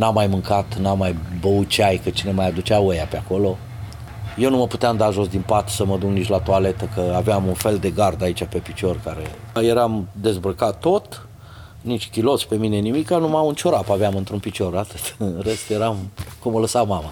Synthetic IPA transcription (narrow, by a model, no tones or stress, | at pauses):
namːajmɨŋkat̪namːajbəut̪̚t͡ʃeajkət͡ʃine̞majad̪ut͡ʃeaojapeako̞lo̞ | je̞wnuməpu̥t̪eamd̪aʒo̞sd̪inpat̪səməd̪uŋknit͡ʃʲlat̪uale̞t̪əkəaveamunfe̞ld̪e̞ɡard̪ait͡ʃʲape̞pit͡ʃo̞rkaɾe̞je̞ɾamd̪e̞zbɾəkat̪ːo̞t̪ | nit͡ʃʲkʲilo̞t̪spe̞mine̞nimikːanumaɨnt͡ʃoɾapaveamɨnt̪ɾunpit͡ʃo̞rat̪ɨt̪ɨnrest̪jeɾamkumələsawmama